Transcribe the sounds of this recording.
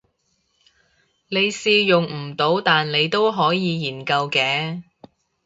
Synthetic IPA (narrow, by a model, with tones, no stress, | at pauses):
ne˨˧jsiː˧jʊ˨ŋm̩˨˩t̪o˨˧wt̪aː˨nle˨˧jt̪o˥wɦɔː˨˥jiː˨˧jiː˨˩nkɐ˧wkɛː˨˧